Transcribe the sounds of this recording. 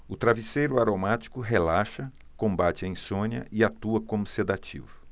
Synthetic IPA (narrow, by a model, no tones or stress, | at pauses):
ʊt̪ɾavisejɾʊaɾomat͡ʃi̥kʊɦelaʃɐ | kõmbat͡ʃɪɐĩsõniɐ̰ʔɪat̪uɐkõmʊsed̪at͡ʃḭvʊ